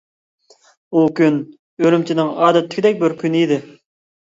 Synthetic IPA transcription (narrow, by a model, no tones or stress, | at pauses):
ukʲyn | øɾymt͡ʃʰinɪŋɑːd̪ɛt̪ʰlɪkʲʰɪd̪ɛk̚ʲbɪɾkʲʰynid̪ɪ